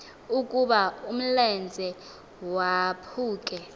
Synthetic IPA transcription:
ukʼuɓaum̩lɛnd͡zʱɛ | wapʰuːkʼɛ

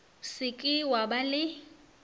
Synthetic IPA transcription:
sɪkʼɪwabalɪ

